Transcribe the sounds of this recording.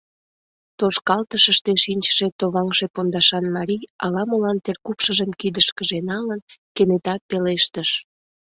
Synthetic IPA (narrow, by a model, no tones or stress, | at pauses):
t̪oʃkɑlt̪əʃəʃt̪eʃinʲt͡ɕə̥ʃet̪oβɑŋʒepond̪ɑʃɑnmɑɾijɑlɑməlɑnt̪erkupʃəʒəmkid̪əʃkəʒenɑlənkenet̪ɑpeleʃt̪əʃ